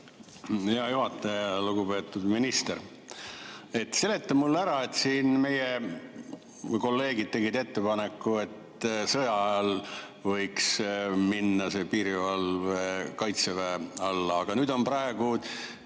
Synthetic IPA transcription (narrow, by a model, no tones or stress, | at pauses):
ejɑjuɦɑt̪ːˑeluɡube̞ːt̪ːˑud̪̥minist̪eɾ | e̞t̪ːse̞le̞t̪ːɑmulːæɾɑe̞t̪ːsiːnme̞je | ko̞lːe̞ːɡid̪̥̚t̪e̞ɡid̪e̞t̪ːe̞pɑne̞kːˑue̞t̪ | sɤjɑɑɑl | vɤ̞jksminːɑse̞piːɾivɑlvekɑjt̪sevæɑlːɑːɡ̥ɑnyːd̪o̞nprɑe̞ɡ̥u